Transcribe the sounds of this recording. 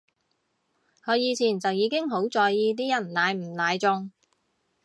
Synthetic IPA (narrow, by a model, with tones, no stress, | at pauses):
hɔː˨˧jiː˨˧t͡sʰiː˨˩nt͡sɐ˨wjiː˨˧kɪ˥ŋɦo˨˥wt͡sɔː˨jːiː˧t̪̬iː˥jɐ˨˩nlaː˨˧jm̩˨˩laː˨˧jt͡sʊ˧ŋ